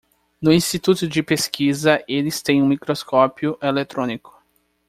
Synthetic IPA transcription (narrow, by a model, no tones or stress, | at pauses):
nʊĩst͡ʃit̪ut̪ʊd͡ʒɪpeskizɐʔelɪst̪ẽj̃ũmikɾoskɔpiʊʔelet̪ɾõnikʊ̥